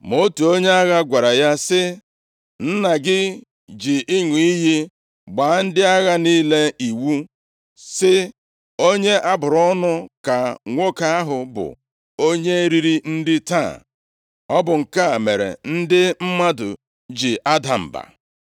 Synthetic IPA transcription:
mo˦tu˨o˦ɲe˦a˦ɣa˦ɡʷa˨ɾa˨ja˦sɪ˦ | n̩˦na˨ɡɪ˦ | d͡ʒi˨ʔɪ˦ŋʷi˨i˦ji˦ | ɡ͡ba˨n̩˦dɪ˦a˦ɣa˦niː˦le˦i˨wu˦ | sɪ˦ | o˦ɲe˦ʔa˦bʊ˨ɾɔ˦nʊ˦ka˨ŋʷo˦ka˦a˦ɦʊ˨bʊ̰˨ | o˦ɲe˦ɾi˦ɾi˦n̩˦dɪ˦ta̰˦˨ | ɔ˦bʊ˨ŋ̩˨ka˦˨me˨ɾḛ˨n̩˦dɪ˦m̩˦ma˦dʊ̰˨ | d͡ʒi˨ʔa˦da˨m̩˨ba̰˨

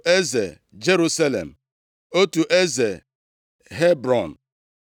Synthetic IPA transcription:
e˦ze˨ | d͡ʒe˦ɾu˦sa˦lḛ˨m̩˨ | o˦tu˨ʔe˦ze˨ | ɦe˦bɾɔ˨n̩˨

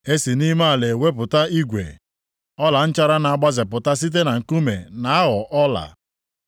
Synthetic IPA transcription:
e˦si˨ni˦ma˦a˨le˨we˦pʊ˨ta˦i˦ɡʷḛ˨ | ɔ˦la˨n̩˦t͡ʃa˦ɾa˦na˨a˨ɡ͡ba˦zɪ˨pʊ˨ta˦s̬i˦t̬e˦na˨ŋ̩˨ku˦me˨na˨a˦ɣɔ˨ʔɔ˦la̰˨

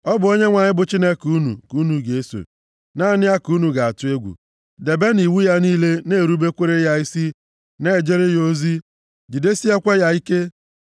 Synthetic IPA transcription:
ɔ˦bʊ˨o˦ɲe˦ŋʷa˨ɲɪ˦bʊ˨t͡ʃi˦ne˦ku˦nṵ˨ku˦nu˨ɡe˨e˦so̰˨ | na˦˨nɪ˦ja˦ku˦nu˨ɡa˨a˨tʊ˨˦e˦ɡʷṵ˨ | de˨be˦ni˨wu˦ja˦niː˦le˦ne˦˨ɾu˦be˦kʷe˦ɾe˦ja˦i˦si˦ | ne˦˨d͡ʒe˦ɾe˦jo˦zi˦ | d͡ʒi˨de˦si˦e˦kʷe˦ja˦i˦ke˦

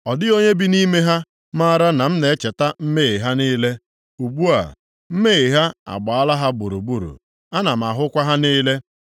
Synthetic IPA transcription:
ɔ˨dɪ˦o˦ɲe˦bi˦ni˦me˦ɦa˦ | ma˦ɾa˦na˨m̩˦ne˨˦t͡ʃe˨ta˦m̩˦me˦i˨ɦa˦niː˦le˦ | u˨ɡ͡bu˦a̰˨ | m̩˦me˦i˨ɦa˦a̰˨ɡ͡ba˨a˦la˦ɦa˦bʊ˨ɾu˨ɡ͡bu˨ɾṵ˨ | a˦na˨m̩˨a˨ɦʊ˦kʷa˦ɦa˦niː˦le˦

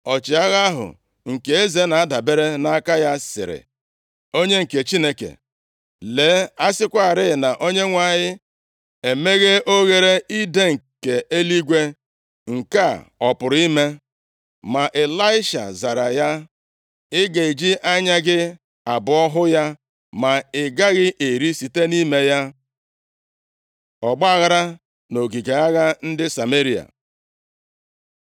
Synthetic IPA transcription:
ɔ˨t͡ʃɪ˨a˦ɣa˦ɦʊ̰˨ | ŋ̩˨ke˨e˦ze˨na˨a˦da˨be˦ɾe˦na˦a˦ka˦ja˦sɪ̰˨ɾɪ̰˨ | o˦ɲe˦ŋ̩˨ke˨t͡ʃi˦ne˦kḛ˨ | le˨˦a˦sɪ˦kʷa˦˨ɾɪ˦ɪ˨na˨ʔo˦ɲe˦ŋʷa˨ɲɪ˦ | e˨me˦ɣe˦o˦ɣe˨ɾe˦i˦de˦ŋ̩˨ke˨ʔe˦li˦ɡʷe˦ | ŋ̩˨ka˦˨ɔ˨pʊ˨ɾi˦me˦ | ma˨ʔe˨la˦ɪ˦ʃa̰˨za˨ɾa˨ja˦ | ɪ˦ɡe˨i˨d͡ʒi˦ʔa˦ɲa˦ɡɪ˦ | a˨bʊ˨˦ɔ˦ɦʊ˦ja˦ | ma˨ɪ˨ɡa˦ɣɪ˦ʔe˨ɾi˦si˨te˦ni˦me˦ja˦ | ɔ˨ɡ͡ba˦ɣa˦ɾa˦ | no˨ɡi˨ɡe˨a˦ɣa˦n̩˦dɪ˦sa˨me˦ɾi˨a̰˨

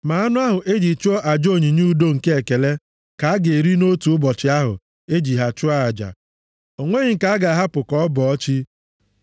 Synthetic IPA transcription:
ma˨a˦nʊ˦a˦ɦʊ˨ʔe˦d͡ʒi˨t͡ʃʊ˦o˦ʔa˨d͡ʒo˦˨ɲi˨ɲu˦do˦ŋ̩˨ke˦e˨ke˨le˦ | ka˨a˦ɡe˨e˨ɾi˦no˦tu˨ʊ˦bɔ˨t͡ʃɪ˦a˦ɦʊ̰˨ | e˦d͡ʒi˨ɦa˨t͡ʃʊ˦a˦a˨d͡ʒa̰˨ | o˨ŋʷe˦ɲɪ˨ŋ̩˨ka˦a˦ɡa˨ɦa˦pʊ˨kɔ˦bɔ˨ɔ˦t͡ʃi˦

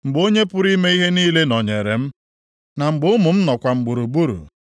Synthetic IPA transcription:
ŋ͡m̩˨ɡ͡bo˦ɲe˦pʊ˦ɾi˦me˦i˦ɦe˦niː˦le˦nɔ˨ɲe˨ɾe˨m̩˦ | na˨ŋ͡m̩˨ɡ͡bʊ˦mʊ˨m̩˦nɔ˨kʷa˨ŋ͡m̩˨ɡ͡bu˨ɾu˨bu˦ɾṵ˨

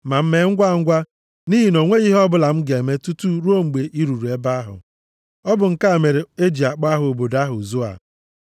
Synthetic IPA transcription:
ma˨m̩˦me˦ŋ̩˦ɡʷa˦˨ŋ̩˦ɡʷa˦ | ni˦ɦi˨no˨ŋʷe˦i˦ɦɔ˦bʊ˦la˨m̩˦ɡe˨me˦tu˦tu˦ɾu˦o˦ŋ͡m̩˨ɡ͡be˨ʔi˦ɾu˨ɾu˨e˦ba˦ɦʊ̰˨ | ɔ˦bʊ˨ŋ̩˦ka˦˨me˨ɾe˨e˦d͡ʒi˨a˨k͡pa˦ɦʊ˨o˨bo˨da˦ɦʊ˨zu˦a̰˨

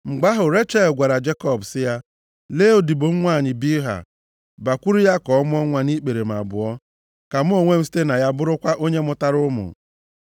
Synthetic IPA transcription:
ŋ͡m̩˨ɡ͡ba˦ɦʊ˨ɾe˦t͡ʃa˦˨lɡʷa˨ɾa˨d͡ʒe˦kɔ˦˨bsɪ˦ja˦ | leː˦o˨di˨bo˨ŋ̩˦ŋʷa˦˨ɲɪ˨bi˦ɦa̰˨ | ba˨kʷu˦ɾi˦ja˦kɔ˨ɔ˦m˦ɔ˦ŋʷa˦ni˦k͡pe˨ɾe˨m̩˨a̰˨bʊ˨ɔ˦ | ka˨m̩˦o˨ŋʷe˦m̩˦si̥˦te˦na˨ja˦bʊ˦ɾʊ˦kʷa˦ʔo˦ɲe˦mʊ˦ta˦ɾʊ˦mʊ̰˨

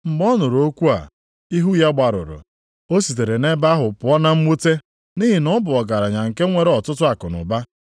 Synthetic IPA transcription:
m̩˨ɡ͡bɔ˦nʊ˨ɾo˦kʷu˦a̰˨ | i˦ɦu˦ja˦ɡ͡ba˨ɾʊ̰˨ɾʊ̰˨ | o˦si˨t̬e˨ɾe˨ne˦ba˦ɦʊ˨pʊ˨˦ɔ˦na˦m̩˦mu˦te˦ | ni˦ɦi˨nɔ˦bʊ˨ɔ˨ɡa˨ɾa˨ɲa˨ŋ̩˨ke˦ŋʷe˨ɾe˦ɔ˨tʊ˦tʊ˦a˨kʊ˨nʊ̰˨ba˦

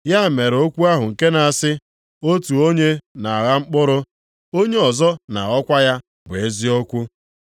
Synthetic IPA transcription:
ja˦˨me˨ɾo˦kʷu˦a˦ɦʊ˨ŋ̩˨ke˦na˨a˨sɪ˦ | o˦tu˨o˦ɲe˦na˨a˨ɣa˦ŋ͡m̩˦k͡pʊ˦ɾʊ˦ | o˦ɲe˦ɔ˨zɔ˦na̰˨ɔ˦kʷa˦ja˦ | bʊ˨e˦zi˦o˦kʷu˦

